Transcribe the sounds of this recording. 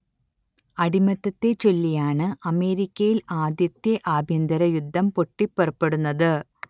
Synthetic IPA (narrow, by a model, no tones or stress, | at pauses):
ɐɽimɐt̪ːɐt̪ːe̞t͡ɕolːijaːɳɨʔɐme̞ːɾikʲːɐjilaːd̪jɐt̪jɐʔaːbʱjɐnd̪ɐɾɐjud̪ʱːɐmpo̞ʈːipːorɐpːe̞ɽunːɐðɨ